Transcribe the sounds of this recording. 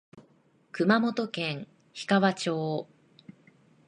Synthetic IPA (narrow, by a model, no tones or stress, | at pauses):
kɯ̟mamo̞t̪o̞kẽ̞ŋ̃ | çi̥kaβat͡ɕo̞ː